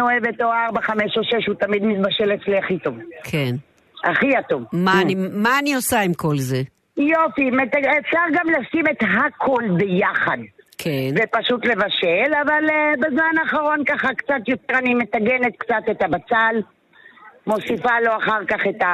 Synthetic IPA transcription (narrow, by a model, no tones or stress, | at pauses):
oevet̪oaʁbaχame̞ʃoʃe̞ʃhut̪amid̪mit̪̚baʃe̞let͡sliaχit̪ovkʰen | aχiatovmanimaːniosaimkʰo̞lze | jofimetaefʃaʁɡamlasime̞t̪ɦakʰolbejaχadkʰenvepaʃut̪le̞vaʃe̞lavalbezmanaːχaʁo̞nkaχakt͡sat̪jo̞te̞ʁanime̞taɡe̞ne̞t̪kt͡sat̪e̞t̪abat͡sal | mo̞sifalo̞aχaʁkaχe̞t̪a